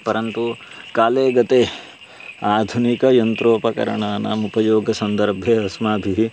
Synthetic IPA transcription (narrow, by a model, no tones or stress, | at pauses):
pɐɾɐnt̪u | kaːleːɡɐt̪eː | aːd̪ʱunikɐjɐnt̪ɾoːpɐkɐ̰ɾɐ̰ɳaːnɐ̰mupɐjoːɡʱɐsɐnd̪ɐɾbʱeːɐsmaːbʱiɦi